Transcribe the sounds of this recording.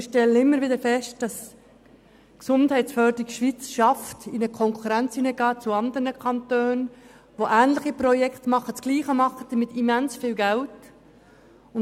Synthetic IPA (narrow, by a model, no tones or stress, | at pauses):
ɪʃtɛlːəɪmːəɾʋɪd̪əɾfɛʃtd̥ɑs | ksʊnthɛɪt͡sfœdəɾɪkʃʋit͡sʃɑftɪnəkʰɔŋkʰuɾænt͡sinəɡɑːt͡suɑnd̪əɾnəkʰɑntøːn | ʋoʔæːnləχipɾɔjɛkʰt̪mɑχːət͡sɡ̥liːχəmɑχːəd̥əmɪtimænsfiːlɡælt | ʊn